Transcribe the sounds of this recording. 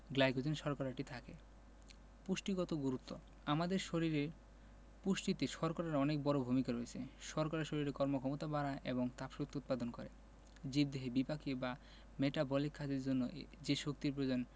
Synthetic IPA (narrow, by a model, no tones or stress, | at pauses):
ɡlajɡod͡ʑenʃɔɾkaɾaʈit̪ʰake | puʃʈiɡɔt̪oɡuɾut̪ːo | amad̪eɾʃoɾiɾeɾ | puʃʈit̪eʃɔɾkɔɾaɾɔnek̚bɔɾobʱumikaɾoet͡ɕʰeʃɔɾkaɾeʃoɾiɾekɔɾmokʰɔmot̪abaɾaʔeboŋt̪apʃut̪ut̪̚pad̪onkɔɾḛ | d͡ʑib̚d̪eɦebipakiba | meʈabɔlikʰːad͡ʑeɾd͡ʑonːod͡ʑeʃok̚t̪iɾpɾod͡ʑon